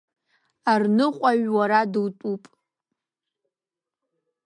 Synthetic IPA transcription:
arnɨqʷʼaɥwaɾadɨwtʼupʼ

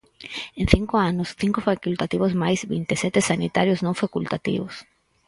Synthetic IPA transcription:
ẽn̟θiŋkoanʊsθiŋkofakult̪at̪iβʊzmajzβḭnt̪esɛt̪esanit̪aɾjʊznõŋfakult̪at̪ḭβʊs

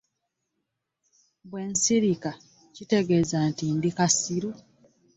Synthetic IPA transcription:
βwe̞ːnsiɾika | cite̞ɡe̞zantindikasiɾu

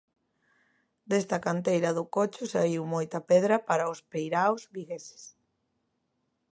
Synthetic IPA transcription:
d̪est̪ɐkant̪ejɾɐðʊkot͡ʃʊsaiwmojt̪ɐpɛðɾɐpaɾɐʊspejɾawzβiɣese̥s

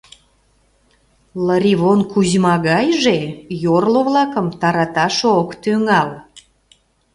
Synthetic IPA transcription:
ləɾiβonkuʑmɑɣɑjʒejorloβlɑkəmt̪ɑɾɑt̪ɑʃokt̪yŋɑl

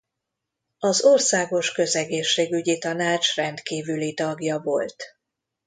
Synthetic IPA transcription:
ɒzorsaːɡo̞ʃkø̞zɛɡeːʃːeːɡyɟit̪ɒnaːt͡ʃrɛnt̪kiːvylit̪ɒɡjɒvo̞lt̪

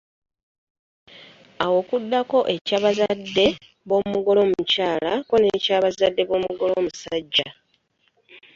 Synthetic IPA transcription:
awo̞ːkudːako̞ʔe̞caːβazadːe̞ | βo̞muɡo̞lo̞ːmucaːlako̞ne̞caːβazadːe̞βo̞muɡo̞lo̞ːmusaɟːa

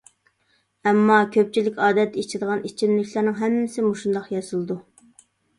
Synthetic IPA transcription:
ɛmːɑkʲʰøp̚t͡ʃʰilɪkʲɑːd̪ɛt̪ːɛit͡ʃʰid̪əʁɑnit͡ʃʰimlɪkʲʰlˠæɾnɨŋɦɛmːɪsɪmuʃund̪ɑqjɑsɨlˠɨd̪u

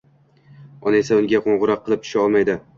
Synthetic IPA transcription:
ɒne̞saʊŋɡʲaqʰoɴʁʊɾɒqʰːɨlˠɪp̚t̪ʰʊ̥ʃaɒlˠmajd̪ɪ

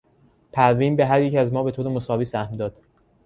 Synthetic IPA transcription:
pʰæɾviːnbe̞ɦæɾjecæzmɒːbe̞t̪oːɾemosɒːviːsæhmd̪ɒːd̪̥

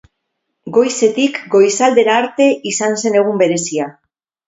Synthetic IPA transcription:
ɡo̞jse̞t̪ikɡo̞jsald̪e̞ɾaːɾt̪e̞ʔisanse̞ne̞ɣ̞umbe̞ɾe̞sia

